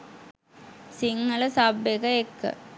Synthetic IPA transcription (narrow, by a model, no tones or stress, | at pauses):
siŋːɐɭɐsɐbekɐekːɐ̰